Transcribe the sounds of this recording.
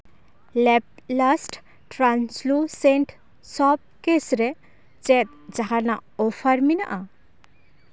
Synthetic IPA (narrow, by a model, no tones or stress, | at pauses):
lɛp̚lasʈ | ʈɾansluseɳʈʰ | sɔb̚kesɾe | t͡sɛt̪̚d͡zaɦanaopʰaɾmina̰ʔa